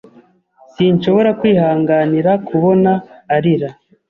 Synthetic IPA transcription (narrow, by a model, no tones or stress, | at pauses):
siːnʃo̞βo̞ɾakwiːhaːŋɡaːniɾakʰuβo̞naːɾiɾa